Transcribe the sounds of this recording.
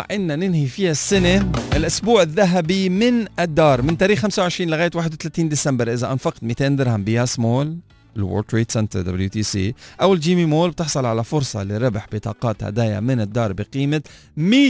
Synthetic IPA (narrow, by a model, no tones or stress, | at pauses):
ʕʔɪnːanɪnhifiːhasːɪneʔɪlʔʊsbuːʕɪðːaɦabimɪnɪd̪ːɑːɾˤmɪnt̪aːɾiːxxːamsawʕɪʃɾiːnlɪɣaːjt̪waːħɪd̪wɪt̪alaːt̪iːnd̪ɪsambɪɾˤʔɪzaʔanfɑqt̪miːt̪eːnd̪ɪɾhambɪjaːsmoːl | ɪlwo̰ːlt̪ɾiːt̪sɛnt̪ɾd̪a̰bljut̪iːsḭːʔawɪld͡ʒiːmimoːlbt̪ɪħsˤɑlʕalafʊɾsˤɑ̰lɪɾɪbħbɪt̪ˤɑ̰ːqɑːt̪ha̰d̪aːja̰mɪnɪd̪ːɑːɾˤbɪqiːma | miː